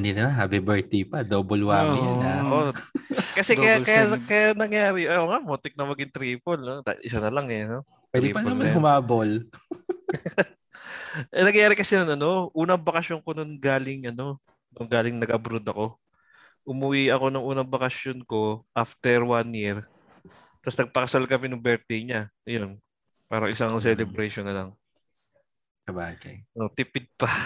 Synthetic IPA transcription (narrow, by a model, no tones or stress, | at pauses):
ninɐnaɦaːbɪbɛɹt̪ipɐd̪obolwaːɪʔokɐsɛkɐjakɐakɐjanɐŋjaːɾɪʔʔoŋamot̪ɪk̚nɐmɐɡɪŋt̪ɾiːpolnod̪a̰ʔɪsanɐlɐŋno | wɛɾd̪ɪiːpɐnamahʊmaːbol | ʔɛnɐŋjɐjaːɾɪkɐsɛnʊnɐno̞ʔuːnɐŋbɐkɐsjoŋkonʊnɡaːlɪŋʔɐno̞ | nʊŋɡaːlɪŋnɐɡʔɐbɾod̪ɐko̞ | ʔʊmʊwiɐko̞nɐŋʔuːnɐŋbɐkɐsjonko̞ʔaft̪ɛɹwanjiɹ | t̪ɐsnɐɡ̚pɐkɐsalkɐmɛnʊŋbɛɾt̪̚d̪ejɲaɐjon | paːɾɐŋʔɪsaŋsɛlɛbɾɛʃonɐlɐŋ | kɐbaːɐjʔot̪ɪpɪd̪̚pɐ